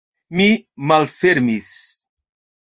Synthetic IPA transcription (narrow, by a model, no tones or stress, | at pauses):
mimalfeɾmis